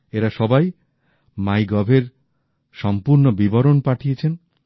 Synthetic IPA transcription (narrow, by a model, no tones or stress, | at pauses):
eɾaʃɔbaj | majɡɔbʱeɾ | ʃɔmpuɾnobibɔɾonpaʈʰiet͡ɕʰen